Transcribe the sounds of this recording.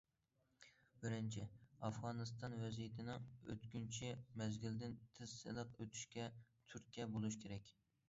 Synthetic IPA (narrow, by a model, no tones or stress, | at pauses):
bɪɾɪnt͡ʃʰɪɑfʁɑnɨst̪ɑnvɛzijet̪ʰɪnɪø̰t̪kʲynt͡ʃʰɪmɛzɡʲild̪ɪnt̪ʰɪz̥ːɪ̰lˠɨqøt̪ʰy̥ʃkʲɛt̪ʰyɾkʲʰːɛbolˠɨʃkʲʰeɾɛkʲ